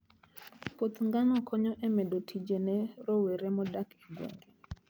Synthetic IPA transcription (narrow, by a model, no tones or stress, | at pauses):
pot̪ŋɡanɔkʰɔɲɔʔɛmɛdotʰid͡ʒenɛɾɔweɾemɔdakiɡwḛŋɡe